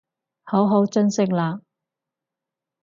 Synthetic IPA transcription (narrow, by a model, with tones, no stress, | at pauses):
ho˨˥wɦo˨˥wt͡ʃɵ˥nsɪ˥k̚laː˧